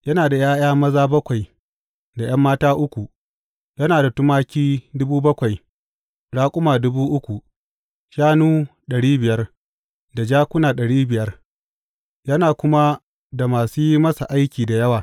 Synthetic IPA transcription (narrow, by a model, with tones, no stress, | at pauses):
jɐ˦naː˨da˨jaː˦jaː˦mɐ˦zaː˦bɐ˦kʷa˨j | da˨j̰ɐ˦mːaː˦taː˦ʔʊ˦kʷu˨ | jɐ˦naː˨da˨tʊ˦maː˦kʲiː˦dʊ˦buː˦bɐ˦kʷa˨j | ɽaː˦kʷʼʊ˦maː˨dʊ˦buː˦ʔʊ˦kʷu˨ | ʃaː˦nuː˦ɗɐ˨ɽiː˦bɪ˨jɐ˦r | da˨d͡ʒaː˦kʷʊ˦naː˨ɗɐ˨ɽiː˦bɪ˨jɐ˦r | jɐ˦naː˨kʷʊ˦ma˦ | da˨maː˨suː˦mɐ˦sa˨ʔa˦jkʲiː˨da˨jɐ˦waː˨